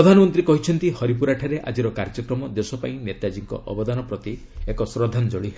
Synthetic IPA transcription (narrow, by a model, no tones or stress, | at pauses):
ɾɔd̪ʱanɔmɔnt̪ɾikɔɦit͡ʃʰɔnt̪ihɔɾip̬uɾaʈʰaɾeʔa̰d͡ʒiɾɔkaɾd͡ʒɔkɾɔmɔd̪esɔpa̰ĩnet̪ad͡ʒiŋkɔ̰ʔɔ̰bɔd̪anɔpɾɔt̪i | ekɔsɾɔd̪ʱand͡ʒɔɭi